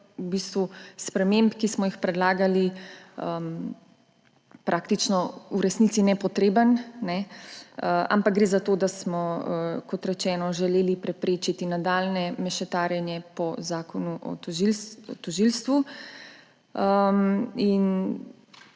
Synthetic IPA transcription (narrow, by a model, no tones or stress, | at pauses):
ubist̪ʋuspɾɛmempkismɔjixpɾɛd̪laːɡaliəm | pɾʔaːkt̪it͡ʃnɔuɾɛsnit̪inɛpɔt̪ɾeːbənnɛ | əa̰mpak̚ɡɾeːzat̪oːd̪asmɔəkɔt̪ɾɛt͡ʃɛːnɔʒɛleːlipɾɛpɾeːt͡ʃit̪inad̪aːlnɛmɛʃɛt̪aːɾjɛnjɛpɔzaːkɔnuʔɔ̰ilt̪ɔʒilst̪ʋu | əmin